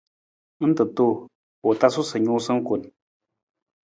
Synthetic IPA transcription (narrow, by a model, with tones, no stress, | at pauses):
n̩˦tɨ˨to˦˨ | po˨ta˦su˦sə˨ɲu˦sɨ˦ŋ̩˦ko˨n